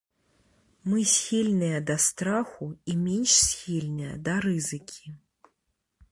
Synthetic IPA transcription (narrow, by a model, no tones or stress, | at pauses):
mɨsʲxʲilʲnɨjɐd̪ɐst̪ɾaxuimʲenʲʂsʲxʲilʲnɨjɐ̰d̪ɐɾɨzɨkʲʰi